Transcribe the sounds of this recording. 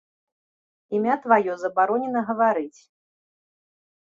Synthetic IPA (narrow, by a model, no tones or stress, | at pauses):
imʲat̪vajɔzɐbaɾɔnʲɛnɐɣɐvaɾɨt͡sʲ